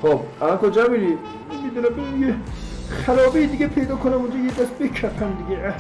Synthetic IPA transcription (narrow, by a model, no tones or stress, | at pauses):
χobælɔnt̪ʰɔd͡ʒæmini | mmid̪uːnæmbemijeχælɒːbeid̪iɡʲepʰejd̪ɒːkʰonæmund͡ʒɔjed̪æsbekʰæpʰæmd̪iɡʲeæ